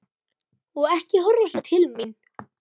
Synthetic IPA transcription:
ɔɣɛhcɪɦɔrːasat̪ʰhɪlmin

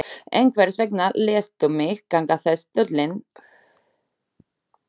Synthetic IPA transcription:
ejŋkʰvɛɾsvɛknalɛːst̪ʏmɪxkaŋkaθɛst̪œt̪lɪn

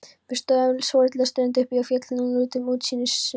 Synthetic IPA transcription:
pɪst̪œlsvɔːɾɪt̪ʰɪlast̪eɾnt̪ʏhpiafjɛt̪lɪnunluːt̪ɪmuːt̪siːnɪs

